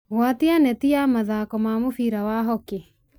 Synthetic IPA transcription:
ɣwatianɛtiamaðaːkɔmamofiɾawaɦɔke

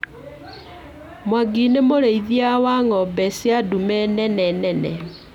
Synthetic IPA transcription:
mwaɡinemoɾeiðiawaŋɔbɛsjadumɛnɛnɛnɛnɛ

